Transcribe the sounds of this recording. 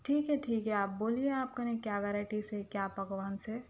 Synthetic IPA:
ʈʰiːkɦɛʈʰiːkɦɛaːp̚boːlieaːp̚kɐnẽkjaːʋɛːɾaɪʈisekjaːpɐɡʋaːnse

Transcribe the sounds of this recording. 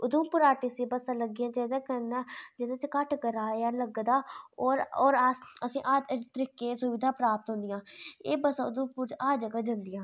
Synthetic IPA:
ʊd̪ũːpʊɾaːʈeːseːbəsãːləɡiãːd͡ʒɛːd̪aːkənad͡ʒed̪ãːt͡ʃkəʈkəɾaːealəɡd̪aːɔːɾɔːɾəsĩːʔaːt̪əɾiːkeːsʊʋɪd̪ʱaːpɾaːp̚t̪ɦʊ̃nd̪ɪjãːeːbəsãːʊd̪ũːpuːɾt͡ʃaːd͡ʒəɡaːd͡ʒənd̪ɪjãː

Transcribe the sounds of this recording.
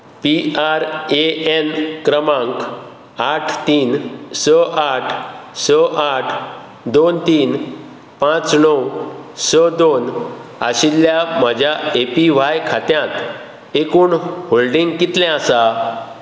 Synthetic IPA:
piaɾeenkɾəmãŋk | aʈʰt̪iːnsəʔaʈʰsəʔaʈʰ | d̪ont̪iːn | pãt͡snɔwsəd̪ona̰ɕilːjam̤əd͡ʑʱjaepiʋ̤ajkʰat̪jãt̪ | ekuːɳholɖiŋɡkit̪lɛ̃asa

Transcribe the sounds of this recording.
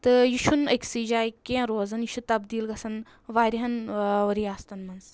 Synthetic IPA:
t̪ɨjiʃʰunɐkʲsid͡ʒaːikʲːẽːɾoːzɐnjiʃut̪ɐbd̪iːlɡɐsɐn | ʋaːɾʲiɦɐnɾijaːst̪ɐnmɐns

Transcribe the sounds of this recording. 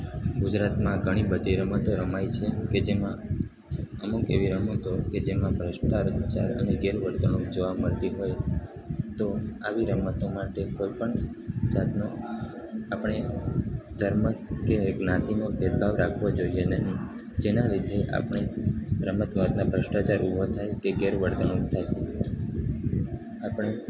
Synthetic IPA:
ɡud͡ʒɾat̪mãɡʱəɽ̃ibəd̪ʱiɾəmət̪oɾəmajt͡ʃʰeked͡ʒemã | əmukeʋiɾəmət̪oked͡ʒemãbʱɾəʃʈ̪aɾəd̪ut͡ʃa̰ɾə̰neɡeɾʋəɾt̪əñõd͡ʒəʋaməɾt̪iɦoj | t̪oaʋiɾəmət̪omaʈekojpəɳd͡ʒat̪no | apɳ̃e | d̪ʱəɾməkeɡnãt̪inobʱed̪bʱaʋɾakʰʋod͡ʒoienəɦi | d͡ʒenalid̪ʱeʔa̰pɳ̃eɾəmət̪ʋat̪nabʱɾəʃʈat͡ʃaɾubʱot̪ʰajkeɡeɾʋəɾd̪əɳ̃õkt̪ʰaj | apɳ̃e

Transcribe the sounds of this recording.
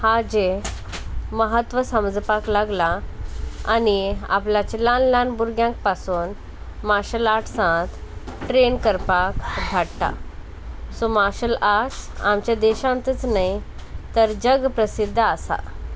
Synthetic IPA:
had͡ʑe | məɦət̪ʋəsəmd͡zpaklaɡla | a̰nia̰plat͡ɕilãnlãnbuɾɡjãŋk̚pasuːn | maɾɕəlaʈʰsãt̪ʈɾenkəɾpakdʱaɽt̪a̰ | somaɾɕəlaʈsa̰mt͡ɕjad̪eɕãnt̪ət͡snai | t̪əɾd͡ʑəɡpɾəsid̪ʱːasa̰

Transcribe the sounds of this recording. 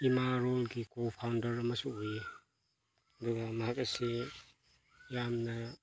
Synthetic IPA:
imaɾolɡikopʰawndɐɾɐmɐsuoje | ɐd̪uɡamɐɦakɐsi | jamnɐ

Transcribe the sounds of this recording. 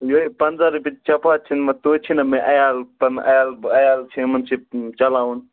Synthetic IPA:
joipɐnzaɾipit͡ʃt͡ʃɐpaːt͡ʃʰinmɐt̪ot͡ʃʰinɐmẽʔɐjaːlpɐnɐ̰jaːlbɐjaːlt͡ʃʰimɐnsʰit͡ʃɐlaːun

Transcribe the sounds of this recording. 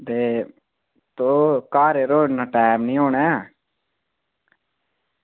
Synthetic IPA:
d̪eː | t̪oːkaːɾeɾoːnaʈaːmnĩːɦoːnɛː

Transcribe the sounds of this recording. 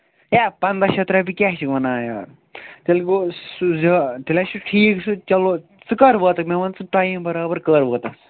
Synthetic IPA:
jaːpɐnd̪aʃɐt̪ɾabikʲaʃikʋɐnaːja̰ː | t̪ilɡosuzɐt̪ilʲaʃuʈʰiːksut͡ʃɐlo | t͡sɨkɐɾʋəːt̪ɐkmeʋɐnt͡sɨʈajĩnbɐɾaːbɐɾkəɾʋəːt̪ɐks

